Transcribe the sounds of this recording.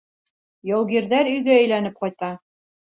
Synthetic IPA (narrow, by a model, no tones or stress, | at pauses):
jɑlˠɡiɾðæɾɵ̆jɡæɵ̆jlænɘp̚qɑjt̪ɑ